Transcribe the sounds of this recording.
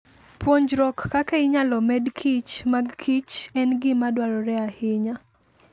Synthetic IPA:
pwoɲd͡ʒɾɔkːakaɪɲalɔmɛdkʰit͡ʃmaɡkʰit͡ʃɛnɡɪmadwaɾɔɾɛahɪɲa

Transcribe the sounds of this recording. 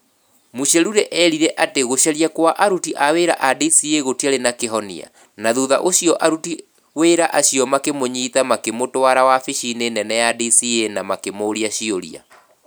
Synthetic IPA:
muɕɛɾuɾɛʔɛɾiɾɛʔateɣoɕɛɾjakwaʔaɾutiʔaweɾa̰ʔadisieɣotiaɾenakeɦɔnḭa̰ | naðuða̰ʔoɕiɔʔaɾuti | weɾaʔaɕijɔmakemoɲiːtamakemotwaɾawafiʃinenɛnɛjadisienamakemoːɾiaɕioɾḭa̰

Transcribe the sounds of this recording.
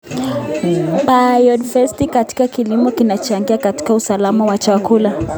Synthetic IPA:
ɓajɔdfɛstikati̥kakilimɔkinat͡ʃaŋɡiakati̥kausalamawat͡ʃakula

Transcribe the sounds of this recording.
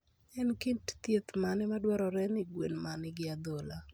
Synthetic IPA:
ɛnkintt̪jet̪manɪmadwɔɾɔɾɛnɪɡwḛnmanɪɡɪad̪ola

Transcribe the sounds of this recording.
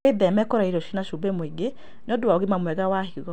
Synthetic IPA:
eðɛmɛkɔɾaiɾɔʃinaʃubemweɡe | nɔdoaoɣemamwɛɣawaɦiɣɔ

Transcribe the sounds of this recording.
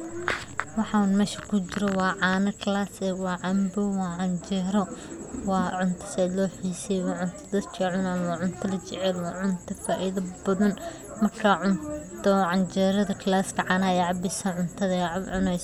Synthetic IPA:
wɑħɑunmɛːʃɐ̥kʰʊt͡ʃɪɾɐwɑːʕɑːnɐkʰɐlaːsɛwɑːʕɑmbɔwɑːʕɑnd͡ʒɛːɾɔwɑːʕʊnt̪ʰɐ̥sɛd̪lɔːħiːsɛwɑːʕʊnt̪ʰɐ̥d̪ɐd̪kʰɐʕʊnaːnwaːʕʊnt̪ʰɐlɐt͡ʃɛʕɛlwɑːʕʊnt̪ʰɐfaːʔiðɐbɐðɐn | mɐrkʰaʕʊntt̪ʰɔʕɑnd͡ʒɛːɾɐðɐkʰɐlaːskʰɐʕɑːnɐɛjʕɑbɪsɐʕʊnt̪ʰɐðɐʕʕʊnɛjs

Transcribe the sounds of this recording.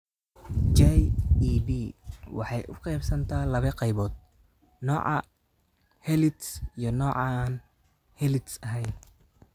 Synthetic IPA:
d͡ʒɛjibiːwɑ̰ħɑjʔʊqɛjbsɐnt̪ʰɐːlɐβɛqɑjβɔːd̪̚ | nɔːʕɑ | hɛlɪt̪sijɞnɔːʕɑn | hɛlɪt̪sɐɦɛjn

